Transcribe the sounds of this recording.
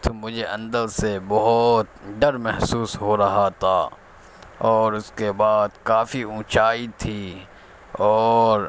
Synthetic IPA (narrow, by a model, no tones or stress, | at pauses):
t̪omʊd͡ʒʱeʔɐ̃nd̪əlsebɔɦʊt̪ɖɐɾmɛɦsuːsɦoɾɐɦat̪ʰaː | ɔːɾʊskebaːd̪kaːfiũːt͡ʃaːit̪ʰiː | ɔːɾ